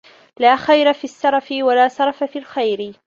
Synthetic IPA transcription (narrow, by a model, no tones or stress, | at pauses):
laːxajɾafiːsːɑɾˤɑfɪwalaːsɑɾˤɑfafiːalxajɾɪ